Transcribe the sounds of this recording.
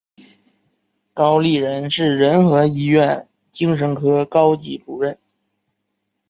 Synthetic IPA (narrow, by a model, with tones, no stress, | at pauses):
kɑ˥ʊli˥˩ɻə˧˥nʂɻ̩˥˩ɻə˧˥nxɤ˧˥i˥ɥɛ˥˩n | t͡ɕi˥ŋʂ̬ə˧˥nkʰɤ˥kɑ˥ʊt͡ɕi˧˥ʈ͡ʂu˨˩ɻə˥˩n